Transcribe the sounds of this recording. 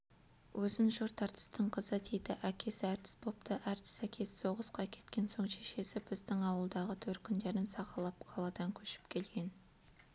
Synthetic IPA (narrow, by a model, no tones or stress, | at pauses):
wʔɵzɪnʒʊɾt̪ɑɾt̪ʰə̥st̪əɴqʰəzəd̪ʰejd̪ɪʔækʲʰe̞sæɾt̪ʰɪ̥spʰo̞p̚t̪ʰəʔæɾt̪ʰɪ̥sækʲʰe̞sso̞ʁəsqɑkʲʰe̞̥t̪̚kʲe̞nso̞ɴʃeʃe̞sɪbɪzd̪ɪŋɑwəlˠd̪ɑʁət̪ʰɵɾt̪̚kʲʰʏnd̪e̞ɾɪnsɑqɑlˠɑpqʰɑlˠɑd̪ɑŋkʲʰɵʃɪ̥p̚kʲʰe̞lɡʲe̞n